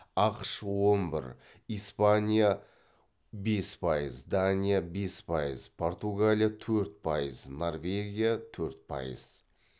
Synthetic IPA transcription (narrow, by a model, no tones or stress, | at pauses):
ɑqʃwo̞nbɪ̰ɾ | ijspanʲija | be̞spʰɑjəzd̪anʲijabe̞spʰɑjəzpʰo̞rt̪uɡalʲijat̪ʰɵɾt̪̚pʰɑjəzno̞rvʲe̞ɡʲijat̪ʰɵɾt̪̚pʰɑ̰jə̰z̥